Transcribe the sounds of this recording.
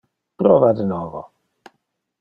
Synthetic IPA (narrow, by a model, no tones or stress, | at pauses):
pɾɔvad̪nɔvɔ̰